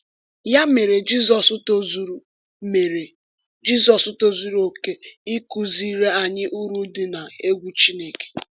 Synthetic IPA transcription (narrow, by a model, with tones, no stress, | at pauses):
ja˦me˨ɾe˨d͡ʒi˦zɔ˨sʊ˦to˦zu˨ɾu˨ | me˨ɾe˨ | d͡ʒi˦zɔ˨sʊ˦to˦zu˦ɾo˨ke˦i˦ku˦zi˦ɾe˦a˨ɲɪ˦ʔu˦ɾu˦dɪ˨na˨e˦ɡʷu˦t͡ʃi˦ne˦ke̥˨